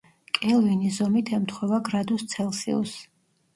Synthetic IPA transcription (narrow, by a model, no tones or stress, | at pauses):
kʼɛlˠvinizɔmit̪ʰɛmt̪ʰχwɛvaɡɾad̪ust̪sʰɛlˠsḭɔ̰s